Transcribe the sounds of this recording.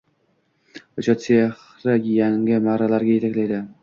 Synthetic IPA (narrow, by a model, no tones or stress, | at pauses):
ot͡ʃʰɒt̪t͡ʃeh | ɾaɡʲjaŋʲɪmaʁɾalaɾɡʲajet̪ʰakʲlajd̪ɪ